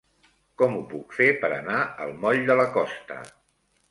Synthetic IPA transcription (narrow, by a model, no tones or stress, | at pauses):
kɔmupukfepəɾə̰naəlˠmɔʎd̪ələkɔst̪ə̰